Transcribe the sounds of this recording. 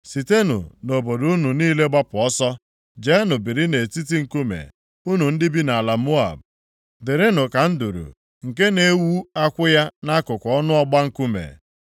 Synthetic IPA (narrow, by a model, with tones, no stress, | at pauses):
si˨te˦nʊ̰˨no˨bo˨dʊ˨˦ʊ˦nu˨niː˦le˦ɡ͡ba˦pʊ˨ɔ˦sɔ˦ | d͡ʒe˦nʊ˨bi˨ɾi˦ne˨ti˦t̬i˦ŋ̩˨ku˦mḛ˨ | u˦nu˨n̩˦dɪ˦bi˦na˨a˨la˨mo˦a̰˨b̚ | dɪ˨ɾɪ˦nʊ˨ka˨n̩˦du˨ɾṵ˨ | ŋ̩˨ke˦ne˦wu˦a˦kʷʊ˦ja˦na˦kʊ˨kʷɔ˦nʊ˦ɔ˦ɡ͡ba˦ŋ̩˦ku˦mḛ˨